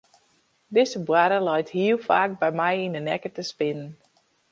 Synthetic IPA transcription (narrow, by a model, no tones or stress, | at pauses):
dɪzəbwaɾəlɛjthiəlˠfaːk̚bɛjmɛjindənɛkətəspɪnən